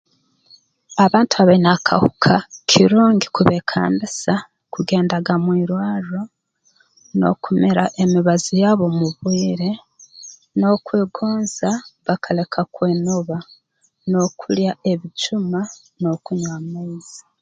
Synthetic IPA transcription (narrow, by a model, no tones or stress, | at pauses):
aβaːntuaβainakʰa̰hukʰakʰiɾuːŋɡikuβe̞kʰa̰ːmbisa | kuɡe̞ːndaɡamwiːɾwaːɾo | no̰kumeɾaʔe̞miβazijaːβo̞muβwiːɾe̞ | no̞kweːɡoːnzaβakʰale̞kʰakwe̞ːnoβa | no̞kʰuljae̞βit͡ʃuma | no̞kuɲwamaiz̥i̥